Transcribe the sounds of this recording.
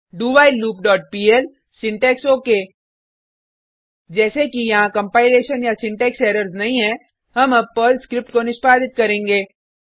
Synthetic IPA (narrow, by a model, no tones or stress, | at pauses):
ɖuːbaːɪlluːp̚ɖɔːʈ̚piːɛl | sɪ̃ɳʈɛːksoːkeː | d͡ʒɛːsekijɐɦãkɐ̃mpaːɪleːʃənjasɪ̃ɳʈɛːkseːɾəɾznɐɦĩɦɛ̃ | ɦɐmɐbpəlskɾɪp̚ʈkonɪʃpaːd̪ɪt̪̚kɐɾẽːŋɡeː